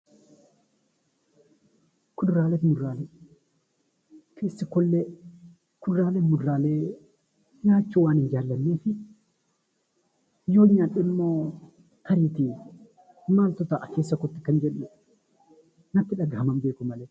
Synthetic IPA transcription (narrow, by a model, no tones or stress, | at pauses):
kʊd̪ɾaːlɛt̪mʊdɾaːle | kʰeːsːɐkɔlːe | kʊd̪ɾaːlemʊd̪ɾaːleː | ɲaːt͡ʃːuwaːnɪnd͡ʒaːlːɐnːeːfɪ | joːɲːaːᶑɪmːoː | kɐɾiːt̪i | maːlt̪ɔt̪aʔkeːsːɐkɔt̪ːɪ̥kɐnd͡ʒɛᶑːʊ | nɐt̪ːɪᶑɐɡahɐmɐmbeːkʊmɐleː